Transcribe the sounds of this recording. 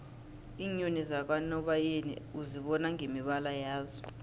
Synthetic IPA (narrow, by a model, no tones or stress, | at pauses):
iɲonizak̬ʼwanɔɓajenḭuziɓɔnaŋʱemiɓalajaːzɔ̥